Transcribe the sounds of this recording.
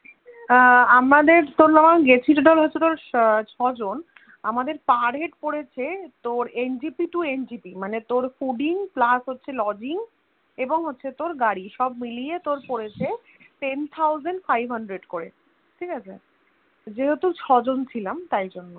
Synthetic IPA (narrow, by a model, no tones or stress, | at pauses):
amɾad̪eɾt̪oɾnamaɡet͡ɕʰiɾɖɔlɦoet̪oɾt͡ɕʰɔd͡ʑon | amad̪eɾpaɾɦeʈpoɽet͡ɕʰet̪oɾend͡ʑipiʈuend͡ʑipimanet̪oɾfuɖiŋplasɦotːɕʰelɔd͡ʑiŋ | eboŋɦotːɕʰet̪oɾɡaɽiʃɔb̚miliet̪oɾpoɾet͡ɕʰe | ʈent̪ʰawzenɖfajbʱɦaɳɖɾeɖkoɾe | ʈʰikat͡ɕʰe | d͡ʑeɦet̪ut͡ɕʰɔd͡ʑont͡ɕʰilamt̪ajd͡ʑonːo